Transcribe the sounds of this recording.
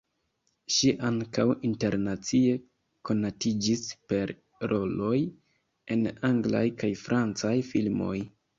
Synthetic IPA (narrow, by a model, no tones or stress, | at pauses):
ʃiʔaŋkawinte̞ɾnat͡sie̞ | ko̞natid͡ʒispe̞ɾ | ɾo̞lo̞j | e̞naŋɡla̰jkajfɾʔant͡sajfilmo̞̰j